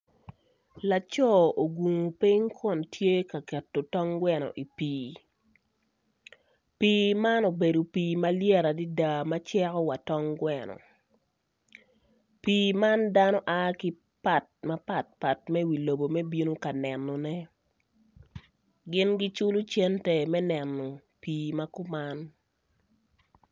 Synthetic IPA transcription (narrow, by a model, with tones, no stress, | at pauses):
la˨t͡ʃɔ˦˨o˨ɡu˨ŋo˨pi˦ŋkʰɔ˦˨ntʰje˦ka˨kɛ˨tːo˨tɔ˦ŋɡwɛ˦nɔ̰˨ʔi˨piː˦ | piː˦ma˦no˨be˨do˨piː˨ma˦ljɛ˦ɾa˨di˦da˨ma˦t͡ʃɛ˦ɾɔ˦wa˨tɔ˦ŋɡwɛ˦nɔ̰˨ | piː˨ma˦nda˦nɔ˦ʔa˦kɪ˦ | pa˨t̚ma˦pa˨t̚pa˨tmɛ˦wi˨lo˨bo˨mɛ˦bi˦no˦ka˨nɛ˨nːɔ˨nɛ˦ | ɡɪ˦nɡi˦t͡ʃu˦lʊ˦t͡ʃɛ˦ntɛ˨mɛ˦nɛ˨nːɔ˨ | piː˨ma˦kʊ˦ma˦n